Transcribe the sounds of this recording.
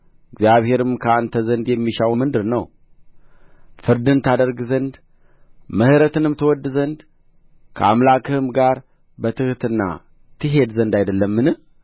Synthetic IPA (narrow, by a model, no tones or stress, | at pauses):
ɪɡzjaβhe̞ɾɨmkʰəant̪ʰəzənd̪jɛmːiʃawmɨnd̪ɨɾnəw | fɨɾd̪ɨnt̪ʰad̪əɾɡzənd̪ | məhɨɾət̪ɨnɨmt̪ʰəwɔd̪ːɨzənd̪ | kʰə̰amlakɨhɨmɡaɾ | bət̪ʰɨht̪ɨnːa̰ | t̪ʰɨɦe̞d̪zənd̪ajd̪əlːəmːɨnɨh